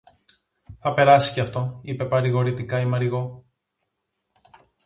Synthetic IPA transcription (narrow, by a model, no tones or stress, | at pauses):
θɐpe̞ɾɐsi̥ceɐft̪o̞ipe̞pɐɾiɣo̞ɾit̪ikɐimɐɾiɣo̞